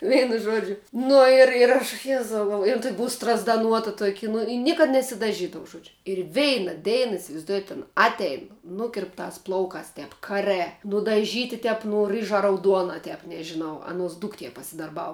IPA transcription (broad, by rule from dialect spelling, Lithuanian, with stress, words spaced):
ˈʋʲɛɪnʊ ˈʒuɔd͡ʒʲʊ ˈnʊ ɪr ɪr ˈɐʃ ˈjæːzɐʊ ɡɐlˠˈʋoː ɪr ˈtuɔkʲɪ ˈbʊʊ strɐzdɐˈnuɔtɐ ˈtuɔkʲɪ nʊ ɪ ˈnʲiɛkɐt nʲɛsʲɪdɐˈʒʲiːdɐʊ ˈʒoːd͡ʒʲʊ ɪr ˈʋʲɛɪnɐ ˈdʲɛɪnɐ ɪsʲɪʋɐɪzˈduɔjɛt ˈɑːnɐ ˈɑːtʲɛɪn ˈnʊkʲɪrptɑːs ˈplˠɐʊkɑːs ˈtʲɛp kɐˈrɜ nʊdɐˈʒʲiːtʲɪ ˈtʲɛp nʊ ˈrɨʒɐ rɐʊˈduɔnɐ ˈtʲɛp nʲɛʒʲɪˈnɐʊ ˈɑːnuɔs ˈdʊktʲiɛ pɐsʲɪdɐrˈbɐʊ